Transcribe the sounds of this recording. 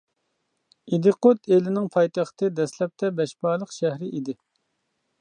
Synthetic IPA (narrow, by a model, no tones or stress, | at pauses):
id̪ɨqot̪ʰelɪnɪŋpʰɑjt̪æχt̪ʰɨd̪ɛslɛp̚t̪ʰɛbɛʃbɑːlˠəqʃæhɾɪʔid̪ɪ